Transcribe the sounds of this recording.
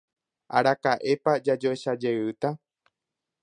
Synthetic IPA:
a̰ɾakaʔe̞pad͡ʒad͡ʒoeʃad͡ʒe̞ɨt̪a

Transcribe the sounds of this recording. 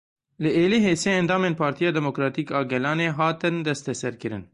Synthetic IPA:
lɨʔeːliːɦeːseːɛnd̪ɑːmeːnpʰɑːɾt̪ijɑːd̪ɛmokɾɑːt̪iːkɑːɡɛlɑːneːɦɑːt̪ɨnd̪ɛst̪ɛsɛɾkɨɾɨ̰n

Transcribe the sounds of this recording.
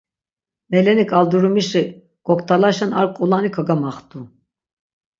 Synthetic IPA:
mɛlɛnikʰalˠd̪uɾumiʃɯ | ɡ̥ɔkt̪ʰalˠaʃanaɾkʼulˠanɯkʰaɡamaχt̪u

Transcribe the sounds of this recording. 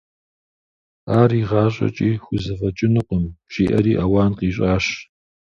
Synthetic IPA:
aːriʁɑːɕʼɐ̰t͡ʃʼiːxʷʊzɨfɐt͡ʃʼɪnɨqʷʼəmɕiːʔɐɾiːʔɐwaːnqiːɕ̬ʼaːɕ

